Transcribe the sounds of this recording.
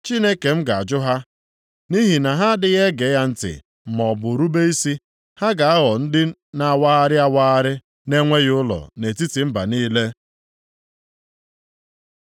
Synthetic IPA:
t͡ʃi˦ne˦ke˨m̩˦ɡa˨a̰˨d͡ʒʊ˦ɦa˦ | ni˦ɦi˨na˨ɦa˦dɪ˦ɣe˦ɡe˨˦ja˦n̩˦tɪ̰˨ | m̩˨mɔ˨bʊ˨ɾu˦be˦i˦si˦ | ha˦ɡa˨a˦ɣɔ˨n̩˦dɪ˦na˨wa˦a˦ɾɪ˦a˦waː˦a˦ɾɪ˦ | ne˦ŋʷe˦ɣʊ˦lɔ̰˨ne˨ti˦ti˨m̩˦ba̰˨niː˦le˦

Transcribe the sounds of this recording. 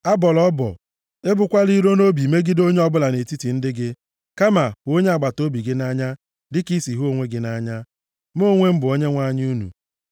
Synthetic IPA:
a˦bɔ˨lɔ˦bɔ̰˨ | e˦bʊ˨kʷa˦li˦ɾo˦no˦bi˨me˦ɡi˦do˦ɲe˦ɔ˦bʊ˦la˨ne˨ti˦ti˨n̩˦dɪ˦ɡɪ˦ | ka˦ma˨o˦ɲe˦a˨ɡ͡ba˨to˦bi˨ɡɪ˦na˦ɲa˦ | dɪ˦ki˦si˨ɦo˦ŋʷe˦ɡɪ˦na˦ɲa˦ | m˦o˦ŋʷe˦m̩˦bʊ˨o˦ɲe˦ŋʷa˦ɲ˦u˦nṵ˨

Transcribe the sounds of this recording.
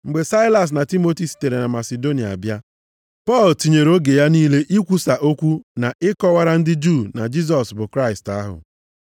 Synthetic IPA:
ŋ͡m̩˨ɡ͡be˨sa˦ɪ˦la˨s̬na˨ti˦mo˦ti˨si̥˨te˨ɾe˨na˨ma˨se˨do˦ni˨a˨a˨bja˦ | pɔ˦˨lti˨ɲe˨ɾo˦ɡe˨ja˦niː˦le˦ʔi˦kʷu˦sa˨ʔo˦kʷu˦na˨ʔɪ˦kɔ˦wa˦ɾa˦n̩˦dɪ˦d͡ʒu˦˨na˨d͡ʒi˦s̬ɔ˨sbʊ˨kɾa˦ɪ˨sta˦ɦʊ̰˨

